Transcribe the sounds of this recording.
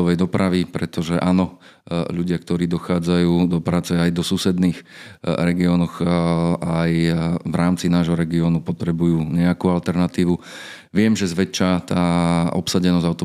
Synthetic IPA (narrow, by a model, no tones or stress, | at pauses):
ɔʋɛjd̪ɔpɾaʋipɾɛt̪ɔʒɛʔaːnɔ | ʎuɟɪak̚t̪ɔɾiːd̪ɔxaːd͡zajuːd̪ɔpɾaːt͡sɛajd̪ɔsusɛd̪niːx | ɾɛɡiɔːnɔx | ajvɾʔaːmt͡sinaːʒɦɔɾɛɡiɔnupɔt̪ɾɛbujuːɲɛakuːalt̪ɛɾnat̪iːʋu | ʋɪɛmʒɛzʋɛt͡ʃːat̪aːɔ̰psaɟɛnɔzaʊt̪ɔ